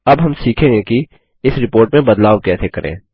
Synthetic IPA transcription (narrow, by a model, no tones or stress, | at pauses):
ɐbɦɐmsiːkʰẽŋɡeki | ɪsɾɪpoːɾʈmẽbɐd̪laːʋkɛːsekɐɾʔḛ̃ː